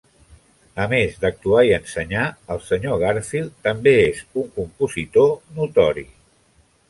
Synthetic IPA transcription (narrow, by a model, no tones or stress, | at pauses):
əmezd̪ək̚t̪uaiənsəɲaəlˠsəɲoɣ̞aɾfilˠt̪əmbeezuŋkumpuzit̪onut̪ɔɾḭ